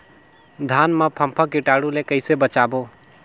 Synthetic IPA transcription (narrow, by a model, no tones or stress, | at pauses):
d̪ʱanmepʰəmpʰəkiʈaɽulekəɪsebət͡ʃabo